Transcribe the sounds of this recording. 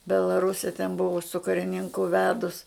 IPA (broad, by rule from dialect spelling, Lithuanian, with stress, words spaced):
bʲɛlˠɐˈrʊsʲɛ tʲɛn ˈbʊʋɐ sʊ kɐrʲɪˈnʲɪŋkʊ ˈʋʲæːdʊs